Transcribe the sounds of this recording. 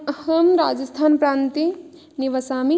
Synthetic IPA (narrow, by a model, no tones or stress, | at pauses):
ɐhəmɾaːd͡ʒɐst̪ʰaːnpɾaːnt̪i | niʋɐsaːmi